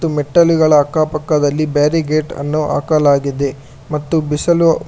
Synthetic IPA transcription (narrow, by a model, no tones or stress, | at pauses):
umɛʈːɐliɡɐɭɐːkːaːpɐkːɐd̪ɐlːibaːɾiɡeːʈɐ̰nːoːʔa̰ːkɐlaːɡid̪e̞ | mɐt̪ːubisɐluʋɐ